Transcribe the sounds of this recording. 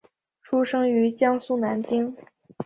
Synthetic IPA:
ʈ͡ʂʰu˥ʂɤ˥ŋy˧˥t͡ɕjɑ˥ŋsu˥na˧˥nt͡ɕi˥ŋ

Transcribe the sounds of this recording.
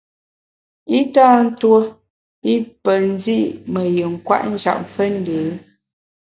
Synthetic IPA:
i˦taː˦n̩˦two˦ | i˦pə˨ln˦di˦ʔmə˨jə˨ŋ̩˨kwa̰˦ʔn̩˦d͡ʒa̰˨m̩˨fə˦n̩˦de˨˦

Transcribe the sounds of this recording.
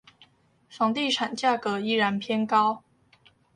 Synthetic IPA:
ʂɑ˨˩ŋt̪i˥˩ʈ͡ʂʰa˨˩nt͡ɕja˥˩kɤ˧˥˦i˥˩ɻa˧˥npʰjɛ˥nkɑ˥ʊ

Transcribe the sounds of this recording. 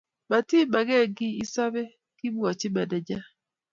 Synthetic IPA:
ma˨ti˦ma˨ɡɛ˦˨ɡɪ˦i˦sa˦bɛ˦ | kɪ˦bɔ˨t͡ʃɪ˦ma˨dɛ˨d͡ʒa˦

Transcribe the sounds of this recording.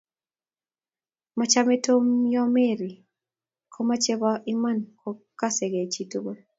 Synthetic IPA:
mat͡ʃame˦to˦mjɔ˦me˦˨ɾi˨ | kʰɔ˦ma˦t͡ʃe˦βa˦ʔi˦ma˦nkʰɔ˦kːa˦se˨ɡe˨t͡ʃi˦to˦ɡo˦

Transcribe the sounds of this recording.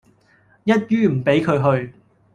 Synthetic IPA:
jɐ˥t̚jyː˥m̩˨˩pe˨˥jkʰɵ˨˧ɥɦɵ˧ɥ

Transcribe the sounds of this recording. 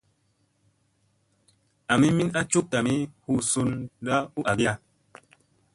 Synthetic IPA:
a˨mi˦mi˦na˦t͡ʃu˦k̚ta˨mi˦hu˦su˦nda˦u˦ʔa˨ɡja˦˨

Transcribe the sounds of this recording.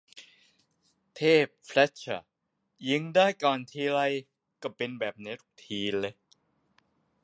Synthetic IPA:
t̪ʰeː˥˩p̚fʰlɛ˦˥t̚t͡ɕʰa˧˩ | ji˧˦˥ŋdaː˥˩jkɔː˨˩nt̪ʰiː˧ɾa˧j | ka˧˩pe˧nbɛː˨˩p̚ne˦˥t̪t̪ʰiː˧le˧˦

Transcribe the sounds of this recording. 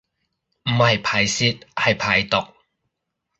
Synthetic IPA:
m̩˨˩hɐ˨jpʰaː˨˩jsiː˥t̚hɐ˨jpʰaː˨˩jt̪ʊ˨k̚

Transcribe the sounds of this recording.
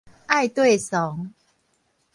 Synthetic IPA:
ʔa˥˨jt̪we˥˨sɔ˨˦ŋ

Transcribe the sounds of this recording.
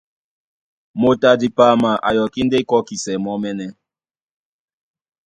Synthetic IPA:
mo˨ta˨di˨pa˦˨ma˨ʔa̰˨jɔ˨ki˦n˦de˦kɔ˦ki˨sɛ˨mɔ˦mɛ˦nɛ˦

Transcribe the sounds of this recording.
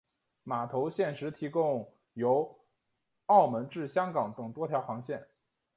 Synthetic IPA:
ma˨˩t̪ʰo˧˥ʊɕjɛ˥˩nʂɻ̩˧˥t̪ʰi˧˥kʊ˥˧ŋ | jo˧˥ʊ | ɑ˥˩ʊmə˧˥nʈ͡ʂɻ̩˥˩ɕjɑ˥ŋkɑ˨˥ŋt̪ɤ˨˩ŋt̪wɔ˥t̪ʰjɑ˧˥ʊxɑ˧˥ŋɕjɛ˥˩n

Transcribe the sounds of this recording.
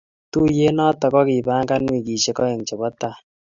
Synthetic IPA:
tu˦je˦nɔ˦tɔ˨kɔ˦ki˨ba˦ŋka˦nwi˨k̬i˨ʃe˦kɔ˦e˨ŋt͡ʃe˨bɔ˦ta˨

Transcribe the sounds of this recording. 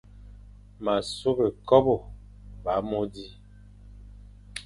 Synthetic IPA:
ma˨su˦be˨kɔ˦bo˨ | ba˨˦mo˦di˦

